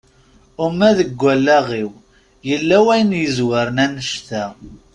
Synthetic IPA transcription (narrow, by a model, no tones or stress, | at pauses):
ʊmːæðəɡʷːælːæʁiw | jəlːæwæjənjəzwəɾənænəʃt̪æ